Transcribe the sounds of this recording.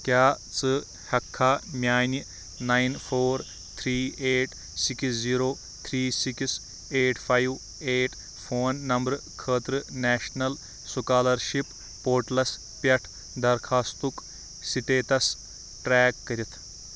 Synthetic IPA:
kjaː | t͡sɨ | hɐkʰːaːmʲaːni | nainfʰoːɾ | t̪ʰɾiːeːʈ | siksziːɾoː | t̪ʰɾiːsiks | eːʈʰpʰajʋ | eːʈ | fʰoːnːɐmbɾkʰəːt̪ɾɨnɛːʃnɐl | sukaːlɐɾʃipː | oːɾʈlɐs | pʲɐʈʰ | d̪ɐɾkʰaːst̪uk | siʈeːt̪ɐs | ʈɾɛːkːɐɾʲit̪ʰ

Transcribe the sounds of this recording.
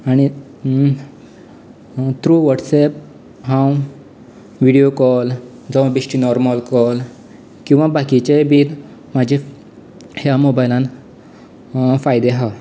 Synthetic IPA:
aɽ̃i | t̪ɾuʋəʈsɛp̚ | ɦãw | ʋiɽijokɔl | d͡zɔwbisʈinɔɾmalkɔl | kĩw̃ʋãbakit͡ɕebiːɾ | mad͡ʑʱe | hjamobajlãn | fajd̪eɦa

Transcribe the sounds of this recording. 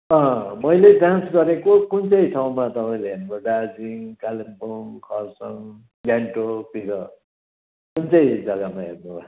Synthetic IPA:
ʌɦmʌjleɖãnsɡʌɾekokunt͡sʌjʈʰaw̃mat̪ʌpaĩleɦernkʌɖad͡ziŋkalimpomkʰʌrsʌŋ | ɡaɳʈopiɾʌ | kunt͡sʌjd͡zʌɡamaɦḛrnubʱa

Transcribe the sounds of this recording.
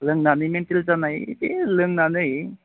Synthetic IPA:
ləŋɡnanimeɳt̪ilt͡sanaɦit̪eləŋɡnanəɦi

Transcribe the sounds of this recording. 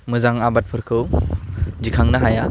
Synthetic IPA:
mɯzaŋabat̚pʰɯɾkʰɯw | d͡ʒikʰaŋnaɦaja

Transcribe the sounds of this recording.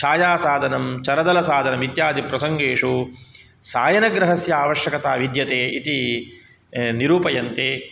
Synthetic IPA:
ʃaːjaːsaːd̪ʱɐnɐmt͡ʃɐɾɐd̪ɐlɐsaːd̪ʱɐnɐmit̪jaːd̪ʱipɾɐsɐŋɡeːʂu | saːjɐnɐɡɾɐɦɐsjɐaːʋɐʃjɐkɐt̪aːʋid̪jɐt̪eːʔit̪i | niɾuːpɐjɐnt̪eː

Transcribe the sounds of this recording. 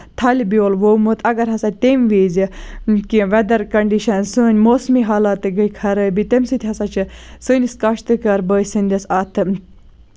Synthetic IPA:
t̪ʰɐlʲbioːlʋoːmɨt̪ʰɐɡɐɾɦɐsɐt̪̚ʲt̪emʋiːzikiʋɐd̪ɐɾkɐɳɖiʃɐnsɨːnʲmoːsmiɦaːlat̪ɨɡəjkʰɐɾəːbit̪emsɨt̪ʰʲihɐsɐt͡ʃʰɨsɨːnʲiskɐʃt̪ɨkɐɾbəːsɨnd̪ɐsaːt̪ʰɨ

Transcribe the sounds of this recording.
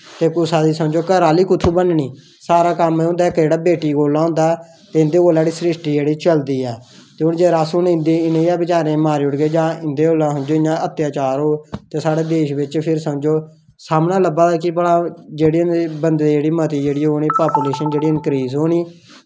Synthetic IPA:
t̪eːkʊsaːd̪iːsəmd͡ʒoːkəɾaːliːkʊt̪ʰuːbənɳiː | saːɾaːkəmːɦʊ̃nd̪aːɛːkəeːɽaːbeːʈiːɡoːlãːɦʊ̃ːnd̪aː | t̪eːɪ̃nd̪eːoːlaːɽiːsɾɪsʈiːd͡ʒeːɽiːt͡ʃəld̪iːɛːt̪eːʊnd͡ʒeːɾaːsʊnɪ̃nd̪iːɪnẽːɛːbɪt͡ʃaːɾẽːmaːɾiːʊɽɡeːd͡ʒãːɪnd̪eːoːlãːsənd͡ʒoːɪnãːət̪jaːt͡ʃaːɾɦoːt̪eːsaːɽeːd̪eːʃʋɪt͡ʃpʰɪɾsəmd͡ʒoː | saːmnaːləbaːɛːkɪbəɽãːd͡ʒeːɽiːnbənd̪eːd͡ʒeːɽiːmət̪iːd͡ʒeːɽiːɦoːniːpaːpuleːʃənd͡ʒeːɽiːənkɾiːzɦoːɳiː

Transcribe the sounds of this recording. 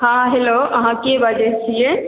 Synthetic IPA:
ɦãɦeloɐɦãkeʋad͡ʒet͡ʃʰie

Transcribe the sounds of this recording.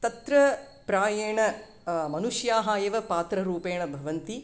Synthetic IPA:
t̪ɐt̪ɾɐ | pɾaːjeːɳɐ | mɐnuʂjaːɦaːjɐʋɐpaːt̪ɾɐɾuːpeːɳɐbʱɐʋɐnt̪i

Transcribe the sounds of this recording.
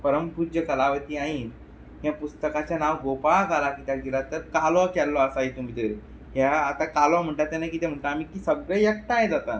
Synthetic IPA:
pəɾəmpud͡ʑəkəlaʋət̪iːaɦiːn | ɦjãpust̪əkat͡ɕjanaʋɡopaɭkalakiːt̪jaɡilat̪əɾkalɔkɛlːɔəsaɦit̪um̤it̪əɾe | ɦjaːt̪akalɔm̤əɳʈat̪enajkiːt̪ɛm̤əɳʈaamiːkiːsəɡɾejək̚t̪ajẽd͡zat̪a

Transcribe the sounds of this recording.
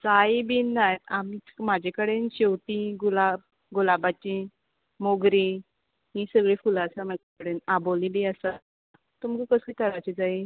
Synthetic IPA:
d͡zajibiːnːajam̤imad͡ʑʱekəɽenɕewt̪iɡulab̚ | ɡulabat͡ɕi | moɡɾi | ɦiːsəɡɭefulasamakkəɽenabolibiəsa | t̪umkəkəsit̪ʰəɾat͡ɕid͡zai

